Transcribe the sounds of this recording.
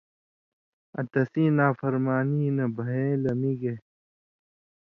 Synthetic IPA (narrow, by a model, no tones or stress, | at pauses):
ɐ̰t̪ɐsĩːnaːfɐɾmaːniːnɐbʱɐɦẽːlɐmiɡe